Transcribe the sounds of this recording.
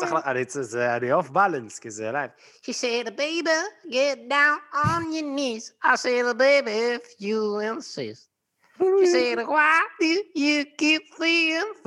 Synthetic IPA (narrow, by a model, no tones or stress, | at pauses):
saχlaaɾesɪzadɪɔfbalˠənskɪzelaɪf | ʃisɛdəbeɪbiɡɛt̚dãʊ̃nənjənizaɪsɛdəbeɪbiɪfjəɪ̃nsɪ̰st̚ | ʃisɛɾwaɪdɨjɨkip̚fiɪ̃n